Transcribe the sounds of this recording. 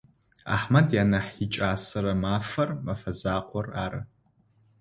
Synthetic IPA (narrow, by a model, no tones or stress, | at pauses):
a̰ħmɐdjaːnɐħit͡ʃʼaːsɐɾɐmaːfɐrmɐfɐzaːqʷʰʼɔraːɾɐ̰